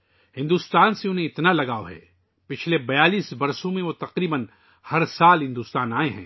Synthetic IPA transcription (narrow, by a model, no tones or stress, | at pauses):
hɪ̃nd̪uːst̪aːnseʊ̃nɦẽɪt̪nalɐɡaːoɦɛ̰ː | pɪt͡ʃʰlebɐjaːliːsbɐɾsõmẽʋot̪ɐqɾiːbən | hɐɾsaːlɦɪ̃nd̪uːst̪aːnaːeɦɛ̰̃ː